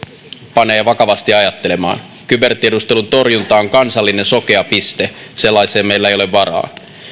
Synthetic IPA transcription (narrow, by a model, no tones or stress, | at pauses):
pɑne̞ːʋɑkɑʋɑst̪iɑjɑt̪ːe̞le̞mɑ̰ːn | kybe̞rt̪iedust̪e̞lunt̪o̞rjunt̪ɑːoŋkɑnsɑlːine̞nso̞k̟e̞ɑpist̪e̞ | se̞lːɑiseːmejlːæejo̞leʋʋɑɾɑ̰ː